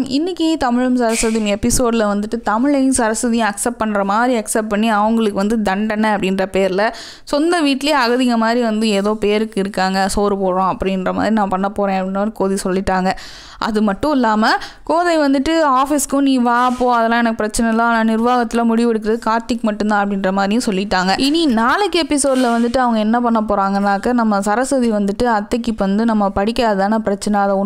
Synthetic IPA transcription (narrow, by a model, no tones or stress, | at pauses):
ɪnːɪkːit̪ɐmɪɻɯmsɐɾɐsɐðɪjmɛpːɪsoːɖlɐʋɐnd̪ɯʈːɯt̪ɐmɪɻɐj̃sɐɾɐsɐðijɐ̃mɐksɛp̚ːpɐɳːɾɐmaːd̪ɾiɐksɛp̚pɐɳːiɐʋɐŋɡɐɭɯkːɯʋɐnd̪ɯd̪ɐɳɖɐnːɐɐpːɐɽɪnɾɐpeːɾɪlɐ | sɔnd̪ɐʋiːʈːɪleːɐɣɐðɪŋɐmaːd̪ɾiʋɐnd̪ɯeːðoːpeːɾɯkːɪɾɯkːaːŋɡɐsoːɾɯpoːɾõːɐpːɐɽɪnɾɐma̰ːðɾinãːpɐɳːɐpoːɾẽːɐpːɽɪnːɐɾɯkoːðisɔlːɪʈːaːŋɡɐ | ʔɐ̰ðɯmɐʈːʊ̃ɪlːaːmɐ | koːðɐɪʋɐnd̪ɯʈːɯaːfɪskʊ̃niːʋaːɐpːoːɐðɐɛlãːɛnɐkːɯpɪɾɐt͡ʃːɐnɛlːãːnãːnɪɾʋaːɣɐt̪ːɪlãmʊɽɪʋɛɽɯk̬ːɪɾɐðɯkaːɾt̪ɪkːɯmɐʈːɯnd̪ãːɐpːɐɽɪnɾɐmaːðɾɪjʊ̃sɔlːɪʈːaːŋɡɐʔɪninaːlɯkːɯɛpːɪsoːɽlɐʋɐnd̪ɯʈːɯɐʋɐŋɡɐɛnːɐpɐɳːɐp̬ːoːɾaːŋɡɐnːaːkːɐnɐmːɐsɐɾɐsɐðiʋɐnd̪ɯʈːɯɐt̪ːɐkːɯpːʋɐnd̪ɯnɐmːɐpɐɽɪkːaːðɯt̪aːnɐpɪɾɐt͡ʃːɐnɛɐðɐʊ